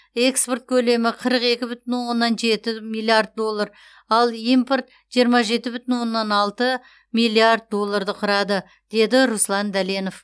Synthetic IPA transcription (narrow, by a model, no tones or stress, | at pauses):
e̞kspo̞rt̪̚kʲʰɵle̞mɪqʰəɾəqe̞kʲɪbʏt̪ɪnwo̞nːɑnʒe̞t̪ɪmijlˠijard̪̚d̪o̞lˠːaɾ | ɑlˠijmpo̞rt̪ | ʒ̥ijəɾmɑʒe̞t̪ɪbʏt̪ɪnwo̞nːɑnɑlˠt̪ə | mijlˠiard̪̚d̪o̞lˠːaɾd̪əqʰʊɾɑd̪ə | d̪̥e̞d̪ɪɾuslˠɑnd̪æle̞no̞f